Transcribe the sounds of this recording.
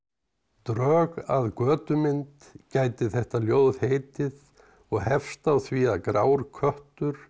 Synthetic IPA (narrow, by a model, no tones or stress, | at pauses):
t̪ɾœːɣaðkœːt̪ʏmɪnt̪ | caːjt̪ɪθɛht̪aljoːwðheːjt̪ɪð | ɔɣhɛfst̪awθviakɾaːwɾkʰœht̪ʏɾ̥